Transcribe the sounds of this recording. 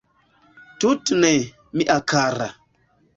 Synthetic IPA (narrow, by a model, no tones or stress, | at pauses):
tutne | miʔakaɾa